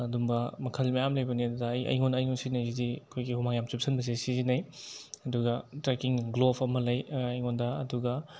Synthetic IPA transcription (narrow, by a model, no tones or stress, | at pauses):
ɐdumbɐmɐkʰɐlmɐjamlɐjbɐniɐdudɐɐjʔɐ̰jŋonɐjŋɔnsinɐjzidiɐkʰojɡihumaŋjamt͡ʃup̚sʰɐnbɐzesizinɐjɐduɡɐtɾekiŋɡlobʰɐmɐlɐjɐjŋondɐɐ̰duɡɐ